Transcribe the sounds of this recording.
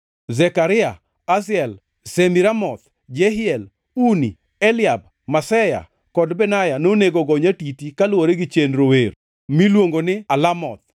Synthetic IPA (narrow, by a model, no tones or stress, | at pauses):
zɛkaɾɪa | asɪɛl | semiɾamɔt̪ | d͡ʒɛɦɪɛl | uni | ɛlɪab̚ | masɛja̰ | kɔdbɛnajanoneɡoɡɔɲatitikalwoɾeɡɪt͡ʃenɾower | milwoŋɡonɪalamɔt̪̚